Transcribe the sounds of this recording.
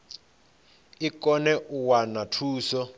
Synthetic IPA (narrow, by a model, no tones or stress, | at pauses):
ikɔnɛʔuwanatʰuːsɔ